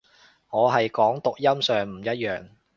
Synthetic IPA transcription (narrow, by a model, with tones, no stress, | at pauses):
ŋɔː˨˧ɦɐ˨jkɔː˨˥ŋt̪ʊ˨k̚jɐ˥msœː˨ŋm̩˨˩jɐ˥t̚jœː˨ŋ